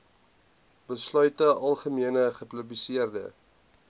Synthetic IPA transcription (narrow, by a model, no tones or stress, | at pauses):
bəslœɥtəʔɐlˠχəmiənəχəpləblisiərdə̰